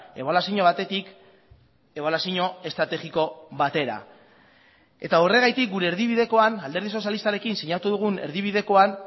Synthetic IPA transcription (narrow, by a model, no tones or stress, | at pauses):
e̞βalasiɲo̞β̞at̪e̞t̪ik | e̞βalasiɲo̞e̞st̪ɾat̪e̞ɣiko̞βat̪e̞ɾa̰ | e̞t̪aore̞ɣajt̪ik̚ɡuɾe̞ːɾðiβ̞iðe̞ko̞anald̪e̞ɾðiso̞sjalist̪aɾe̞kinsiɲat̪uðuɣ̞une̞̰ɾðiβ̞iðe̞ko̞an